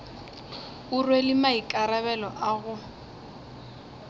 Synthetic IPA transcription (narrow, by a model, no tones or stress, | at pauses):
ʊrwelɪmaikʼaɾaβɛlɔʔaɣʊ